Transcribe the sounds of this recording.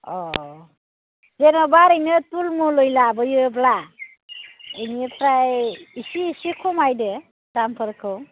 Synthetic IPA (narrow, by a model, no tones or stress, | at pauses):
ɔ | zenɔbaɾɯjnɯtulmulojlabɯjɯbla | enipʰɾajisiːsikʰumajdɯ | tampʰɯɾkʰɯw